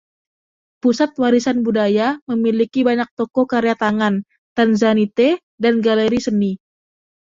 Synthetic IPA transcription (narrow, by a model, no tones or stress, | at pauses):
pusat̪̚waɾisanbudajaməmilikibaɲak̚t̪ɔkɔkaɾjat̪aŋan | t̪anzanit̪ɛ | danɡaleɾisəni